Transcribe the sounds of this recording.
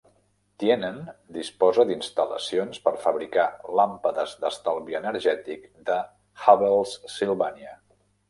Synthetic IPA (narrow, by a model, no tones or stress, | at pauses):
t̪jenənd̪ispɔzəd̪inst̪ələ̰sionspəɾfəβɾikalampəðəzd̪əst̪alˠβiənəɾʒɛt̪ikd̪ə | xaβəlˠsːilˠβaniə